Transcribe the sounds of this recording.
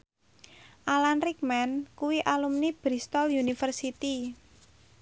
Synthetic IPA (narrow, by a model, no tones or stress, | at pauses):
ʔalanrik̚mɛnkuwiʔalumnib̥ɾist̪ɔljunifərsit̪i